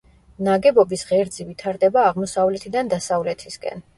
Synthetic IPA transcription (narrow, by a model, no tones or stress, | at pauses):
naɡɛbɔbisʁɛɾd̪zivit̪ʰaɾd̪ɛbaːʁmɔsavlɛt̪ʰid̪and̪asavlɛt̪ʰiskʼɛ̰n